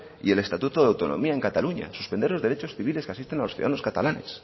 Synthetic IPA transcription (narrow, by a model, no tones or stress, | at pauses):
ḭe̞le̞st̪at̪ut̪oðawt̪o̞no̞̰miae̞ŋkat̪aluɲa̰su̥spend̪elo̞zðeɾet͡ʃo̞sθiβileskeasist̪e̞naloθjṵðanoskat̪a̰lane̞s